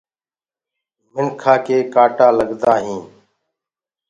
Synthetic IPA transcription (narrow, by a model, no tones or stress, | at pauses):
mɪɳkʰaːkeːkaːʈaːləɠd̪aːɦĩː